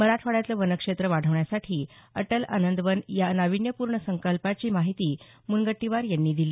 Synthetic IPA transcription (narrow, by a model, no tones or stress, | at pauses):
məɾatʰʋaɽjat̪ləʋənəkʂet̪ɾəʋaɽ̤ʱəʋɳjasaʈʰiːəʈəla̰nənd̪ʋənjanaʋiɳjəpuɾɳəsəŋkəlpat͡ɕiːmaɦit̪iː | munɡəʈːiʋaɾjanːiːd̪iliː